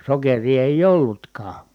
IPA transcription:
sokeriː eˑij olːutkɑː

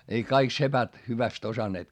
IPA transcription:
ei kɑik sepæt hyʋæst osɑnːeːt

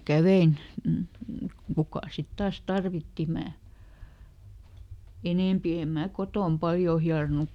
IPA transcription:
kæʋein kukɑˑ sit tɑːs tɑrʋitːi mæː eneˑmpi em mæː kotoˑm pɑljoː hiɑronuk

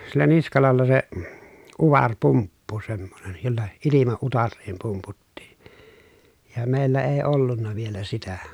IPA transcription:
silːæ niskɑlɑlːɑ se uʋɑrpumpːu semːonen jolːɑ ilimɑ utɑrːiːm pumputːii̥ jɑ meˑilːæ eː olːunːɑ ʋielæ sitæ

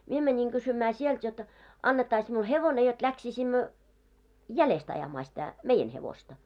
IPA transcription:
mie mænʲiŋ ɡ̊ysymæː sielt jot ɑnːetːɑis miul heʋone jot læksisimːø jælest ɑjɑmɑː sitæ meijen heʋostɑ

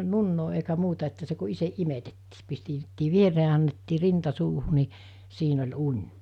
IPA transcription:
nunːoː eikæ muːtɑ etːæ se ku iseʔ ʔimetetːiː pistetːiː ʋiereː ɑ ɑnːetːiː rintɑ suːhu ni siːn olʲ unʲ

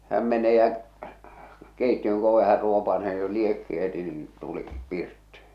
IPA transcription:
hæm mene jæ̠ keitːiøŋ k oʋe hær ruopɑseː ni jo liekːi heti niːĩ tuli pirtːi̥

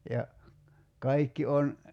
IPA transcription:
jɑ kɑikːi on

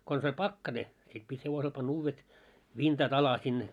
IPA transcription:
kons olʲ pɑkːɑne sit pit heʋosel pɑnː uːʋːet ʋintɑt ɑlɑ sin

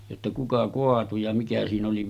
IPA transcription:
jotːɑ kukɑ koɑtu jɑ mikæ siːn oli

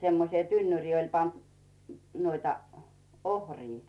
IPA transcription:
semːosĭe tynːyrʲiː olʲ pɑnt nuoitɑ ohriː

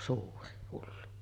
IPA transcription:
suːri hulːu

